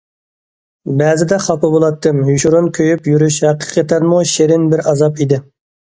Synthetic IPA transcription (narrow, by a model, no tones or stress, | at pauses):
bɛzɪd̪ɛχɑpɑbolˠɑt̪ːɨmjuʃuɾonkʲʰøjypjyɾyʃhæqə̥qʰət̪ʰɛnmuʃeɾɪnbɪɾɑzɑpid̪ɪ